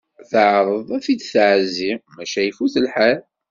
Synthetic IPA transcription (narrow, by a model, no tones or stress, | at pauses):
θəʕɾˤəðˤæfid̪θʕəzimæʃæjfuθəlħal